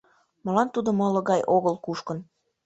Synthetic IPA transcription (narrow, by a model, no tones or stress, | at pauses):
mɤ̆lɑnt̪ud̪ŏmɤ̆lɤ̆ɣɑjʔoɣəlkuʃkən